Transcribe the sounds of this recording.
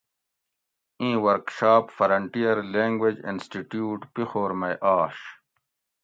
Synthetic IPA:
ĩːwɐɾkɕaːpfɐɾɐɳʈijɐɾlẽːŋɡwed͡ʑḭnsʈiʈjuːʈpixoːɾmɐjʔaːɕ

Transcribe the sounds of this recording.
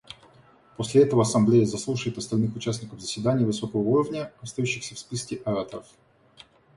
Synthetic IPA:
posʲlʲɪɛt̪əvəɐsɐmblʲejəzɐslˠuʂɨjɪt̪ɐst̪ɐlʲnɨxʊt͡ɕæsʲnʲɪkəvzəsʲvʲɪd̪anʲɪjəvɨso̞kəvəuɾəvnʲəɐst̪ɐjuɕːɪxsʲəfspʲiskʲɪʔɐɾat̪əɾəf

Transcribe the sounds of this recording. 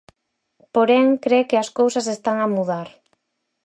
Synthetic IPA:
poɾeŋkɾekɪɐskowsɐs̬est̪aŋamuðaɾ

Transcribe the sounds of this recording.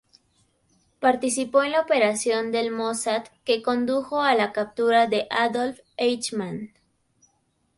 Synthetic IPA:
paɾt̪isipo̞enlaope̞ɾasjo̞nd̪e̞lmosat̪ke̞ko̞nd̪uxo̞alakap̚t̪uɾaðe̞ʔaðolf | ejt͡ʃman

